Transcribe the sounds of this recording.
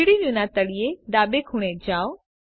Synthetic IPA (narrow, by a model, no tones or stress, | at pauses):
iɽiʋũnãt̪ɐɽijed̪aːbekʰuɽ̃ed͡ʑaːo